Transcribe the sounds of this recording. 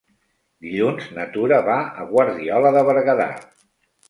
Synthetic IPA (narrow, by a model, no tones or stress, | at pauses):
d̪iʎunznət̪uɾəβaəɣwaɾðiɔləðəβəɾɣəða̰